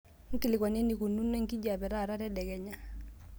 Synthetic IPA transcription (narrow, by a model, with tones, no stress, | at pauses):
ŋ̩˦ki˦˨lɪ˨kɔ˨ne˦ni˨ku˨nu˦ne˦ŋki˦d͡ʒa˨bɛ˨ɾa˦˨ɾa˦ɾɛ˦dɛ˨kɛ˨ɲa˦